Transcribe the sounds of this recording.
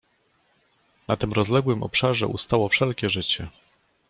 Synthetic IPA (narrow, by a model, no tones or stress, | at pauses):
nat̪ɘmɾɔzlɛɡwɘmʔɔ̰pʂaʐɛ̰ʔust̪awɔfʂɛlkʲɛʐɘt͡ɕɛ